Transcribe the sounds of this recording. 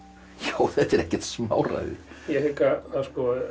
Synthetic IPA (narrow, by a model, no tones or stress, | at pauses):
joːwθɛt̪ɛɾɛhcɛt̪sma̰ːwra̰ðɪ̰ɾjɛhekaaskɔ